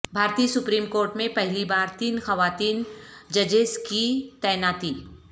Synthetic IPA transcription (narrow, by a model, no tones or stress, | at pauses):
bʱaːɾt̪iːsʊpɾiːmkoːɾʈmẽpɛɦlibaːɾt̪iːnxɐʋaːt̪iːnd͡ʒɐd͡ʒeskit̪ɛːnaːt̪iː